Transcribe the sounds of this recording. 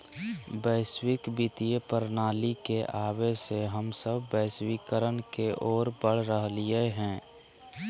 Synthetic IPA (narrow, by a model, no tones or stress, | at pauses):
bəːswɪkbɪt̪ijepəɾnaːlikeʔaːweseɦəmsəbːəːswikəɾənkeʔɔːɾbəɽ̤ɾəɦlieɦɛ̃ː